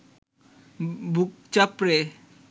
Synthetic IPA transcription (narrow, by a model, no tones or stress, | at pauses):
buk̚t͡ʃapɾe